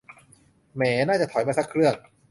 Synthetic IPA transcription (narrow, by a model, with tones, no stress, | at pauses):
mɛː˩˦naː˥˩t͡ɕa˨˩t̪ʰɔ˩˦jma˥˩sa˥kʰɾɯ˥˩əŋ